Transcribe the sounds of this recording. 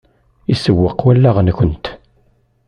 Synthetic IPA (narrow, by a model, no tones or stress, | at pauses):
isəwːəqwælːæʁnkənt̪